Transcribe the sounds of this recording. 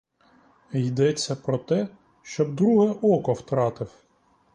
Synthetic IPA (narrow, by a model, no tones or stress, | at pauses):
jd̪ɛt͡sʲːɐpɾɔt̪ɛ | ʃt͡ʃɔbd̪ɾuɦɛʔɔkɔwt̪ɾɑt̪ɪw